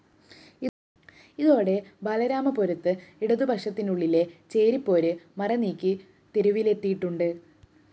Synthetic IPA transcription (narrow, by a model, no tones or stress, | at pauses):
i | iðo̞ːɽe̞bɐlɐɾaːmɐpoɾɐt̪ːɨiɽɐðubʱɐkʂɐt̪ːinuɭːile̞t͡ɕe̞ːɾipːo̞ːɾɨmɐrɐniːkʲːi | t̪eɾuʋile̞t̪ːijiʈːuɳɖɨ